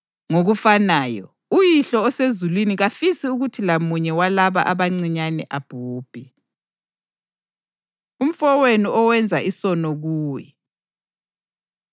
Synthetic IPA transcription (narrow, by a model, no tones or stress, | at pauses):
ŋoɣufanaːjɔ̰ | ujiɬɔːsezulwiniɣafisiuɣutʰilamuɲɛwalaβa̰ʔaβaŋ͡ǀiɲanɛ̰ʔab̥ʱuːb̥ʱi | um̩fɔweniʔɔwɛnd͡zʱaʔisɔnɔɣuːjɛ